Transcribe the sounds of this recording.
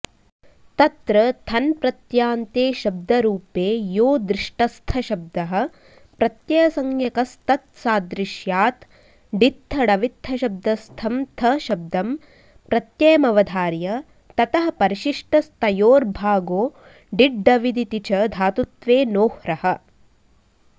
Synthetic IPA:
t̪ɐt̪ɾɐt̪ʰɐnpɾɐt̪jaːnt̪eːʃɐb̚d̪ɐɾuːpeːjoːd̪ɾɪʂʈɐst̪ʰɐʃɐb̚d̪ɐɦɐ̆ | pɾɐt̪jɐjɐsɐŋjɐkɐst̪ɐt̪saːd̪ɾiʃjaːt̪ | ɖit̪ʰːɐɽɐʋit̪ʰːɐʃɐb̚d̪ɐst̪ʰɐmt̪ʰɐʃɐb̚d̪ɐm | pɾɐt̪jɐjɐmɐʋɐd̪ʱaːɾjɐ | t̪ɐt̪ɐɦɐpɐɾiʃiʂʈɐst̪ɐjoːɾbʱaːɡoː | ɖiɖɖɐʋid̪it̪it͡ʃɐd̪ʱaːt̪ut̪ʋeːnoːhɾɐhɐ̆

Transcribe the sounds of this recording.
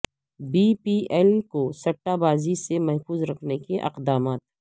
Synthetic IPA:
biːpiːʔɛːlkosɐʈːabaːzisemɐɦfuːzɾɐkʰnekeʔɐ̰qd̪aːmaːt̪̚

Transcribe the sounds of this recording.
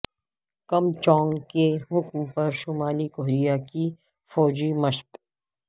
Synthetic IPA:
kɐmt͡ʃɔ̃ːŋɡkeɦʊkmpɐɾʃʊmaːlikoɦɾijaki | fɔːd͡ʒimɐʃt̪

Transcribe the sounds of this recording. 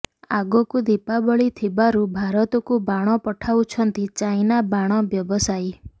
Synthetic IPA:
aɡɔkud̪ipabɔɭit̪ʰibaɾubʱaɾɔt̪ɔkubaɽ̃ɔpɔʈʰaut͡ʃʰɔnt̪it͡ʃajnabaɽ̃ɔbjɔbɔsaj

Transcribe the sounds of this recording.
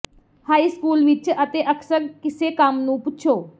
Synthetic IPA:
haːiːskuːlʋɪt͡ʃət̪eːʔəksəɾkɪseːkəmnũːpʊtːʃʰoː

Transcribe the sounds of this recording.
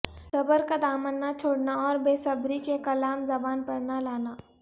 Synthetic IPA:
sɐbəɾkad̪aːmənːat͡ʃʰoːɽnaɔːɾbeːsəbɾikekɐlaːmzɐbaːnpɐɽnalaːnaː

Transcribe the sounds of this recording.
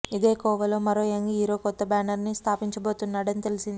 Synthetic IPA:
id̪e̞ːkɔːʋɐlo̞ːmɐɾo̞ːeŋɡiɦiːɾo̞ːkɔt̪ːɐbaːnɐɾnist̪ʰaːpiɲt͡ʃɐboːt̪unːaːɽɐnit̪elisind̪i

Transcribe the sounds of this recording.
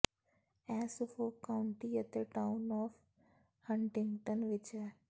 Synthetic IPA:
ɛ̃ːsʊfoːkaʊɳʈiət̪eʈaʊnɔːf | hə̃ɳʈɪ̃ŋɡʈənʋɪt͡ʃɛ

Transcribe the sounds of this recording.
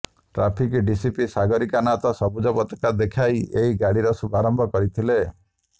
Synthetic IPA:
ʈɾapʰikɖisipisaɡɔɾikanat̪ɔsɔbud͡ʒɔpɔt̪ɔ̥kad̪ekʰajeɦiɡaɽiɾɔsubʱaɾɔmbʱɔkɔɾit̪ʰile

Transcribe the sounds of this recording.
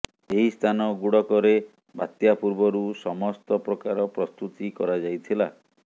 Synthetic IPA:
eɦist̪ʰanɔɡuɽɔkɔɾe | bʱat̪japuɾbɔɾusɔmɔst̪ɔpɾɔkaɾɔpɾɔst̪ut̪ikɔɾad͡ʒajt̪ʰila

